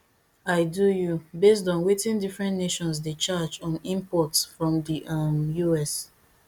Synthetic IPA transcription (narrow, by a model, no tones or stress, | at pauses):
aɪdujubes̬dɔ̃nwetĩndifɹɛ̃ntneʃɔ̃ns̬det͡ʃad͡ʒɔ̃nĩmpɔtsfɹɔ̃mdiʔamjuɛs